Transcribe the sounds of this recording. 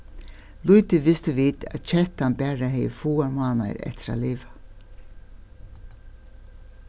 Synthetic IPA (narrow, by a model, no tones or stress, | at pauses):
lujt̪ɪʋɪst̪ɪʋiːt̪æ̰ðt͡ʃʰɛht̪anbæːɹaɦɛːjə̰fuːaɹmaːna̰ɪɾɛ̰ht̪ʰɪɾa̰liːʋḁ